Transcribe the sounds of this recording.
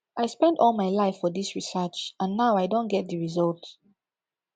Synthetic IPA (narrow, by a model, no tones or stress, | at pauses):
ʔaɪspɛ̃ndɔlˠmaɪlaɪfːɔdisɹisɜt͡ʃə̃nːaʊaɪdõnɡɛt̚dəɹizɔlˠt